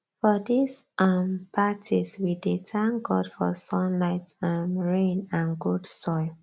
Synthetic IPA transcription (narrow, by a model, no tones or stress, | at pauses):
fɔdisʔampʰatʰiswiditʰãnɡɔdfɔsɔ̃nlaɪtãmɹẽnãnɡudsɔ